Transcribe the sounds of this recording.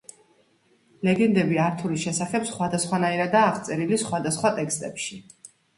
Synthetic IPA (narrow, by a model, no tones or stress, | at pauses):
lɛɡɛnd̪ɛbiaɾt̪ʰuɾiʃɛsaχɛpsχwad̪asχwanaiɾad̪aːχt̪sʼɛɾilisχwad̪asχwat̪ʼɛkst̪ʼɛpʃi